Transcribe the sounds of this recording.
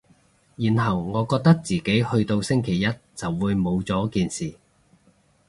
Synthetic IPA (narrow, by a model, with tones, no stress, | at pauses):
jiː˨˩nɦɐ˨wŋɔː˨˧kɔː˧k̚t̪ɐ˥k̚t͡siː˨ke˨˥jhɵ˧ɥt̪o˧wsɪ˥ŋkʰe˨˩jːɐ˥t̚t͡sɐ˨wːuː˨˧jmo˨˧wt͡sɔː˨˥kiː˨nsiː˨˩